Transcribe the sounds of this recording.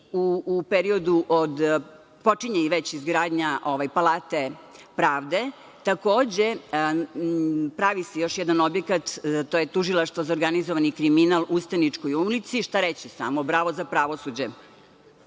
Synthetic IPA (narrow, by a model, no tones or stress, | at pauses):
uːpeɾio̞d̪uʔod̪ | po̞t͡ʃiɲeiʋet͡ɕizɡɾaːd̪ɲaʔo̞ʋajpalˠaːt̪e̞pɾaːʋd̪e̞ | t̪ako̞ːd͡ʑe | pɾaʋisejo̞ʃjɛd̪ano̞bjekat̪t̪ojet̪uʒilˠaʃt̪ʋozaoɾɡanizoʋanikɾiminalˠust̪anit͡ʂkojulit̪siʃt̪aɾet͡ɕisa̰mobɾaːʋozapɾaʋosud͡ʑe